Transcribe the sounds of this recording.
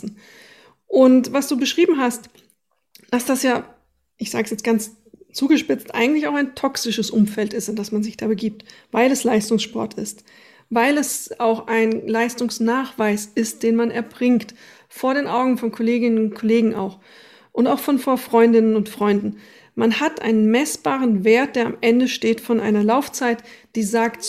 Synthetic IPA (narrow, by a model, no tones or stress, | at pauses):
n̩ | ʔʊntvasd̥uːbəʃʁ̥iːbm̩ɦast | d̥asd̥asjaː | ʔɪçz̥aːɡəsjɛt͡stɡ̥ant͡s | t͡suːɡəʃpɪt͡stʔaɪŋ̩tlɪçaʊxaɪntʰɔksɪʃəsʔʊmfɛltɪstd̥asmanzɪçd̥aːbəɡiːp̚tvaɪlɛslaɪstʊŋsʃpɔ̰ɐtʰɪ̰st | vaɪlɛsʔaʊxaɪnlaɪstʊŋsnaːχv̥aɪsɪst̚d̥eːnmanɛɐb̥ʁɪŋkt | foːɐɾeːnʔaʊɡŋ̩fɔnkʰɔleːɡɪnənʊntkʰɔleːɡŋ̩ʔa̰ʊx | ʔʊntaʊxfɔnfoːɐfʁ̥ɔʏndɪnənʊntfʁ̥ɔʏndn̩ | manhatʔa̰ɪnənmɛsb̥aːʁ̞ənveːɐt̚d̥eːɐa̰mʔɛndəʃteːtfɔnʔa̰ɪnɐlaʊft͡saɪtd̥iːzaːkt